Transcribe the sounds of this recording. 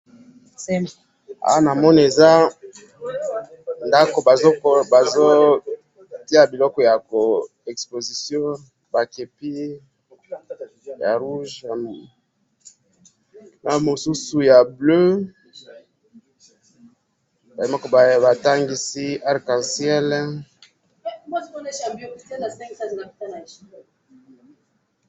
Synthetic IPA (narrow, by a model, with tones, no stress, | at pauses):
a̰˦wa˦na˨mɔ˦ni˨e˨za˦ | nda˦ko˨ba˨zo˦kba˨zo˦ | ti˦a˨bi˨lɔ˦kɔ˨ja˨ko˨ | ɛ˨kspo˨zi˨sjɔ̃˦ | ba˨ke˨pi˦ | ja˨ʁu˦ʒa˨ | na˨mo˨su˦su˨ja˨blø˦ | ba˨e˨ma˦kɔ˨ba˨ba˨ta˦ŋɡi˨si˦a˦˨ʁkã˨sjɛ˦l | bo˦tmɔ˦ne˦ʃa˨bi˦o˦˨ta˦na˨sɛ̃˦ka˦zi˨na˨pi̥˦ta˦na˨ʃi˦˨